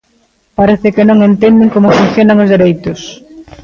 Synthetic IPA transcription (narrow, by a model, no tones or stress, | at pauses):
paɾeθɪkɪnõŋent̪end̪ɪŋkomʊfun̟θjonaŋozðeɾejt̪ʊs